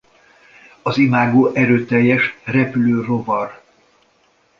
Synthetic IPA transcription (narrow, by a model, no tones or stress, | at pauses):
ɒzimaːɡoːʔɛɾøːt̪ɛjːɛʃrɛpyløːro̞vɒr